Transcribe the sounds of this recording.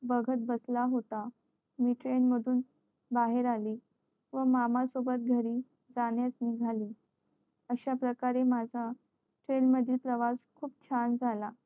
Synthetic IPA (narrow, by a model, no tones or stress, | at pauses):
bəɡʱət̪̚bəslaɦot̪a | miːʈɾenməd̪ʱuːn | baɦeɾaliː | ʋəmamasobət̪̚ɡʱəɾiː | d͡zaɽjasniɡʱaliː | əɕapɾəkaɾemad͡zʱa | ʈɾenməd̪ʱilpɾəʋaskʰuːp̚t͡ɕʰand͡zʱala